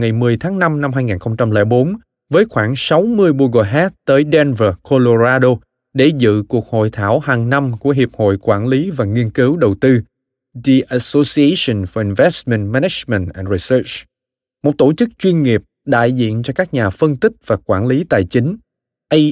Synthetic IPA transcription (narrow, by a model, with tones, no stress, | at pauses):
ŋa˨˩jmɨ˨˩əjt̪ʰaː˨˦ŋna˧mna˧mɦaː˧jŋiː˨˩nxə˧wŋ͡mt͡ɕa˧mlɛ̰ː˧˩ɓo˨˦n | vəː˨˦jxwaː˧˩ŋsa˨˦wmɨ˧əjɓo˧ɣo˨˩jɦɛ˦˥t̚t̪əː˨˦jɗɛ˧nvə˨˩ko˧lo˧zaː˧ɗo˧ | ɗe˧˩zɨ̰˧˨ku˨˩ək̚ho̰˧˨jt̪ʰaː˧˩whaː˨˩ŋna˧mku˧˩əɦi˨˩əp̚ho̰˧˨jkwaː˧˩nli˨˦vaː˨˩ŋi˧ənkɨ˨˦wɗə˨˩wt̪ɨ˧ | ɗi˧ʔa˧so˧si˧e˧sə˧˩nfɔ˨˩ʔi˨˩nvɛ˦˥st̚mɛ̰˧˨ntmɛ˧nɛ˧˥t͡ɕmɛ˨˩ntʔɛ̰˨˩nɹi˨sə˦˥t͡ɕ | mo˨˩t̚t̪o˧˩t͡ɕɨ˦˥k̚t͡ɕwi˧ənŋi˨˩əp̚ɗa̰ː˧˨jzḭ˧˨ənt͡ɕɔ˧kaː˦˥k̚ɲaː˨˩fə˧nt̪ï˦˥k̚vaː˨˩kwaː˧˩nli˨˦t̪a̰ː˨jt͡ɕï˨˦ŋ̟ | ʔə˧